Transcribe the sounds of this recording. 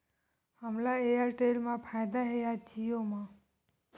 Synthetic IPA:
hamlaejaɾʈelmapʰajd̪aɦejat̪ʰijomã

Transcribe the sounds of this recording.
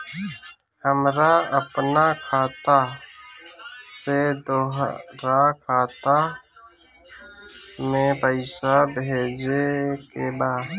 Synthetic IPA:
həmɾaəpnakʰaːt̪a | sed̪oːɦɾakʰaːt̪a | mẽpəɪsabed͡ʒekebaːd̪

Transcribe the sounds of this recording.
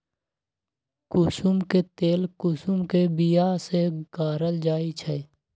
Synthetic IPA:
kʊsʊmket̪eːlkʊsʊmkebijaseɡ̥aːɾəld͡ʒaːit͡ʃʰe

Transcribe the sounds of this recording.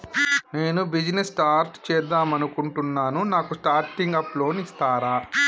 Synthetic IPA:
ne̞ːnubid͡ʒinesʈaːɾʈt͡ʃɛːd̪ːaːmɐnukuɳʈunːaːnunaːkusʈaːɾʈiŋɡɐplo̞ːnist̪aːɾaː

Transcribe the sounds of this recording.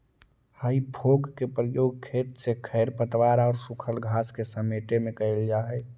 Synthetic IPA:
həibʱoɡkepɾəjoːɡ̚kʰeːt̪sekʰəɪɾpət̪ʋaɾaɔːɾsʊkʰəlɡʱaskesəmeʈemẽkəɪld͡ʒaɛ

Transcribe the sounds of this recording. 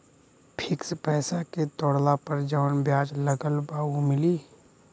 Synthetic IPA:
pʰɪkspɛːsaket̪ɔːɽlapəɾd͡ʒəːnbjaːd͡ʒləɡəlbaːumɪliː

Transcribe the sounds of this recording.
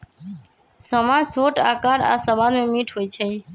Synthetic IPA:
səmãd͡ʒsoːʈa̰ːkaɾa̰səbanmẽmiʈʰɦoːit͡ʃʰe

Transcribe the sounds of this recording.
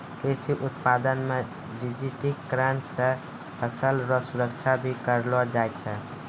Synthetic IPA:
kɾisiʔut̪pad̪ənme | ɖid͡ʒiʈikːɾansə̃ | pʰəsəlɾɔsuɾəkt͡ʃʰabʱikəɾlɔd͡ʒajt͡ʃʰɛ

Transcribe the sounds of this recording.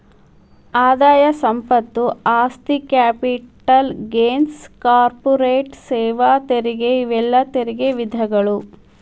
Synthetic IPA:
aːd̪aːjɐsɐmpɐt̪ːuaːst̪ikaːpiʈɐlɡeːnskaːɾpɔɾeːʈsɛːʋat̪eɾiɡeiʋɛlːɐt̪eɾiɡeʋid̪ʱɐɡɐɭu

